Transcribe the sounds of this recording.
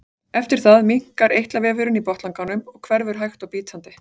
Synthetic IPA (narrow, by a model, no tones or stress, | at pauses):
ɛft̪ɪɾ̥θaðmiŋ̥kaɾʔejht̪lavɛːvʏɾʏnipɔht̪laŋkanʏmɔɣkʰvɛɾðʏɾ̥ɦajxt̪awpiːt̪sant̪ɪ